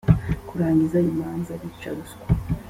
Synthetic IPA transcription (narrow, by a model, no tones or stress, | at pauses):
kuɾaːɲɟizaimaːnzaɾit͡ʃa̰ɾuskwa